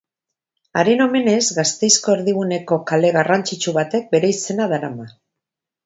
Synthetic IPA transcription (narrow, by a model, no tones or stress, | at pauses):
aɾeno̞me̞ne̞zɣast̪e̞jsko̞eɾðiβune̞ko̞kale̞ɣarant͡sit͡ʃuβat̪e̞k̚be̞ɾe̞ise̞naðaɾama